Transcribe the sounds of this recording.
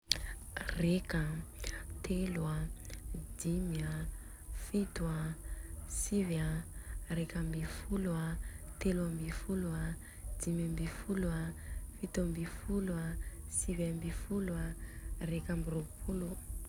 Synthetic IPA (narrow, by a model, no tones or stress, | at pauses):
reka | t̪ʰelua | d̪imja | fit̪ua | sivjarekambifuluat̪elambifulua | d̪imambifuluafit̪ambifuluasivambifulwarekambiropʰulu